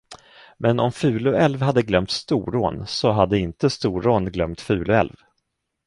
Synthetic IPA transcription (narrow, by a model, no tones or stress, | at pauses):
mɛnɔmfʉ̟ːlɵɛlvɦad̪ːəɡlœmt̪st̪ṵːɾo̰ːnsɔɦad̪ːəɪnt̪əst̪uːɾoːnɡlœmt̪fʉ̟ːlɵɛ̰lv